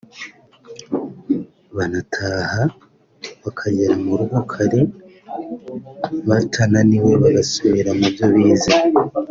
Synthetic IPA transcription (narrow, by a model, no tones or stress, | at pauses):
βanatʰaha | βakʰaɟeɾamuɾuɡukʰaɾe | βatʰananiwe̞βaɡasuβiɾamubjo̞βiːza